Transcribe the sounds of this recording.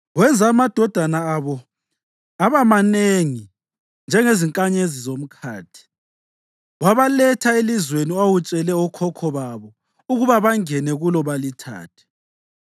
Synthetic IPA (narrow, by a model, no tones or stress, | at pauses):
wɛnd͡zʱaːmad̥ʱɔd̥ʱanaːβɔ | aβamaneŋi | nd͡ʒʱɛŋeziŋkʼaɲezizom̩kʰa̰ːtʰi̥ | waβalɛtʰaelizweniwawut͡ʃʼɛlɛɔkʰɔkʰɔβaβɔ | uɣuβaβaŋɛnɛɣulɔβalitʰa̰ːtʰɛ̥